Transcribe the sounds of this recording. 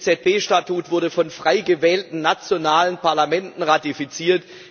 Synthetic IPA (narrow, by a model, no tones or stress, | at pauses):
t͡sɛt̚b̥eːʃtatuːtv̥ʊɐdəfɔnfʁ̥aɪɡəvɛːltn̩nat͡sjonaːlənpʰaɐlamɛntn̩ʁatifit͡siːɐt